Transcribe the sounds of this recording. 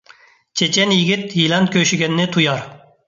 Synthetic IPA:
t͡ʃʰet͡ʃʰɛnjɪɡʲit̪jilɛnt̪̚kʲʰøʃiɡʲɛnːɪt̪ʰujɑɾ

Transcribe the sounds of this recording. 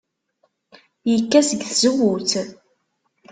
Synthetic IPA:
jəkːæsəɡθzəwːuθ

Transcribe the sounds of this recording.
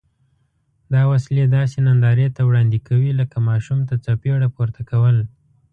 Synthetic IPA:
d̪ɑwasled̪ɑsenand̪ɑɾet̪awɽɑnd̪ikawiləkamɑʃumt̪at͡sapeɽapuɾt̪akawəl

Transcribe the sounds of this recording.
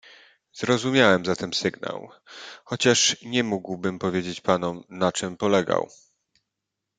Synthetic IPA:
zɾɔzumʲjawɛmzat̪ɛmsɘɡna̰w | xɔt͡ɕaʂɲɛmuɡwbɘmpɔvʲjed͡ʑet͡ɕpanɔmnat͡ʂɘmpɔlɛɡa̰w

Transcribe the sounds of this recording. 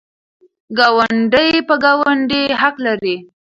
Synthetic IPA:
ɡawaɳɖəjpəɡawaɳɖeɦaqlaɾi

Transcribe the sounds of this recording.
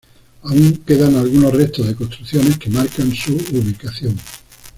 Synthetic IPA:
auŋke̞ðaŋalɣuno̞rre̞st̪ozðeko̞st̪ɾuθjo̞ne̞ske̞maɾkansuuβikaθjoŋ

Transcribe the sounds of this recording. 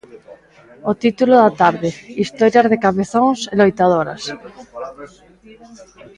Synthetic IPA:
ot̪it̪uloðat̪aɾðeist̪oɾjazð̞ekaβeθoŋselojt̪að̞oɾa̰s

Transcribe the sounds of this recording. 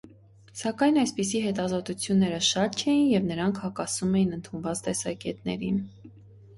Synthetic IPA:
sɑkɑjnɑjspis̬iɦɛt̪ɑzɔt̪ut͡sʰjunːɛɾəʃɑt̪̚t͡ʃʰɛjinjɛvnəɾɑŋkʰhɑkɑsumɛjinənt̪ʰunvɑt͡st̪ɛsɑkɛt̪nɛ̰ɾin

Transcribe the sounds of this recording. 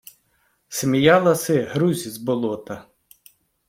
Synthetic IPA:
semʲijɑlˠɐsɪɦɾuzʲizbɔlˠɔt̪ɐ

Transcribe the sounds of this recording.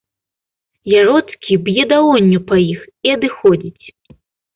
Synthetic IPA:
jaɾɔt̪skʲibjɛd̪awɔnʲːupɐjix | iɐd̪ɨxɔd͡zʲit͡sʲ

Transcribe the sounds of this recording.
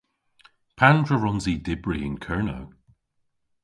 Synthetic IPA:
pʰandɹəɹɔnzidɪbɹiɪ̃nkʰɜɹnə̰w

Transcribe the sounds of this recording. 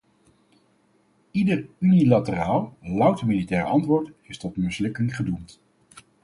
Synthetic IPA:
idərynilatəraːlˠlɑwtəmilitɛːɹəɑ̰ntʋʊːɹtɪstɔtmɪslɪkɪŋχədumt

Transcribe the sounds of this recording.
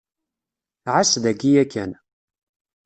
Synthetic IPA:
ʕasðæɡijækːæ̰n

